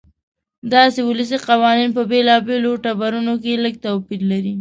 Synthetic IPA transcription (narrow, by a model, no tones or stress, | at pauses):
d̪ɑsewʊləs̬iqawɑninpəbelɑbeloʈabaɾunok̬eləɡ̚t̪awpiɾlaɾi